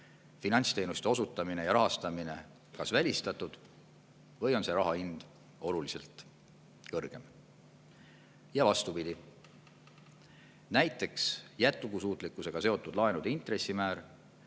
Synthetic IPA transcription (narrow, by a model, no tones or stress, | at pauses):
finɑnʲt̪st̪e̞ːnust̪e̞o̞sut̪ːˑɑmine̞jɑɾɑɦɑst̪ɑmine̞̰ | kɑsvælʲist̪ɑt̪ːˑud̪̥ | vɤ̞jo̞nse̞ɾɑɦɑind̪̥ | o̞lulise̞lt̪ˑ | kɤrɡ̥e̞m | jɑvɑst̪upid̪i | næjt̪ːˑe̞ksjæt̪ːˑukusuːt̪ˑlikːˑuse̞ɡ̥ɑse̞o̞t̪ːˑud̪̥lɑenud̪̥int̪re̞sːimæːɾ